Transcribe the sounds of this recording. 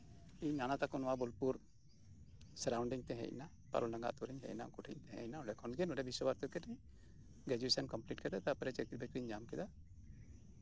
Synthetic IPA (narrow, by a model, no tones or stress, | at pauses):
inanat̪akɔnɔwabɔlpuɾ | sɛɾawɳɖiɲt̪ɛɦɛ̰ʔna | pa̰ɾɔlnaŋɡa̰t̪uɾɛɲɦɛ̰ʔna̰kuʈʰḭɲt̪ɛɦɛ̰̃ʔnaɔɖɛkʰɔnɡɛnɔɖɛbʱisɔbaɾt̪ɔkɛʈɛ | ɡɾɛd͡ʒuesankɔmpliʈ̚kɛd̪at̪apɾɛt͡ʃɛkiɾbɛkɾiɲd͡ʒamkɛd̪a